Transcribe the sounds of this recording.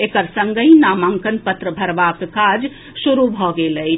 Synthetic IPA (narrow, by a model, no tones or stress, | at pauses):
ekəɾsəŋɡəinamaŋkənpət̪ɾəbʱəɾbakkad͡ʒ | suɾubʱɔɡeləj